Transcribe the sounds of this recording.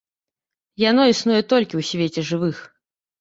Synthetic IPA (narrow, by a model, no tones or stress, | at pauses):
jan̪ɔisnujɛt̪ɔlʲkʲiwsʲvʲet͡sʲɛʐɨvɨx